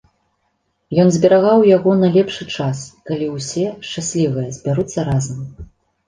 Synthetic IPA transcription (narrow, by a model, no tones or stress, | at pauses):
jɔnzʲbʲɛɾaɣawjaɣɔnɐlʲɛpʂɨt͡ʂaskalʲiwsʲɛʂt͡ʂasʲlʲivɐjɐzʲbʲaɾut̪sːɐɾazɐm